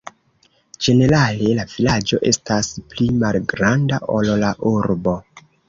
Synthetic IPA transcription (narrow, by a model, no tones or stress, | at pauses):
d͡ʒe̞ne̞ɾale̞lav̥ilad͡ʒo̞ʔe̞stasplimalɡɾandaʔollaʔuɾbo̞